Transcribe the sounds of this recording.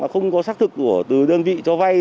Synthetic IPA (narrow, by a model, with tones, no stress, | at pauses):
aː˨˩xə˧wŋ͡mkɔ˨˦saː˦˥k̚t̪ʰɨ˨˩ku˧˩ət̪ɨ˨˩ɗəː˧nvḭ˧˨t͡ɕɔ˧va˧j